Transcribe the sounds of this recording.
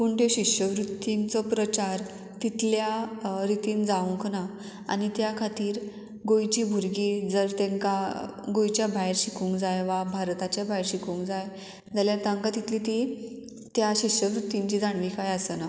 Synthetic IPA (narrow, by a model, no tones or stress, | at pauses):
puɳʈ̪eɕiʂɕəʋɾut̪ːiŋt͡sɔpɾət͡ɕaɾ | t̪it̪ljaɾit̪iːnd͡zauŋkʰna | a̰nit̪jakʰat̪iːɾ | ɡojt͡ɕiːbʱuɾɡiːd͡zəɾt̪ẽŋkaɡojt͡ɕjabʱajɾɕikʰuːŋkd͡zajʋabʱaɾt̪at͡ɕjabajɾɕikũːŋkd͡zaj | d͡zaljat̪ãŋkat̪it̪lit̪i | t̪jaɕiɕəʋɾut̪ːiɲt͡ɕiːd͡zaɳ̃ʋikajasəna